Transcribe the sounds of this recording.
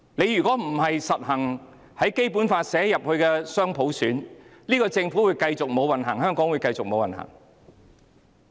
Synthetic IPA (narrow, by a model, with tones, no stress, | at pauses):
ne˨˧jyː˨˩kʷɔː˨˥m̩˨˩hɐ˨jsɐ˨t̚hɐ˨˩ŋ | hɐ˨˥jke˥jpuː˨˥nfaː˧tsɛː˨˥jɐ˨p̚hɵ˧ɥkɛː˧sœː˥ŋpʰo˨˧˥wsyː˨˥nliː˥kɔː˧t͡sɪ˧ŋfuː˨˥wuː˨˧jkɐ˧jt͡sʊ˨k̚mo˨˧wɐ˨nɦɐ˨˩ŋɦœː˥ŋkɔː˨˥ŋwu˨˧jkɐ˧jt͡sʊ˨k̚mo˨˧wɐ˨nhɐ̰˨˩ŋ